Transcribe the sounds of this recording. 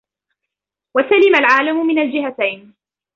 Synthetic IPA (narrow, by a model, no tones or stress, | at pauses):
wasalɪmalʕaːlamʊmɪnald͡ʒɪɦat̪ajn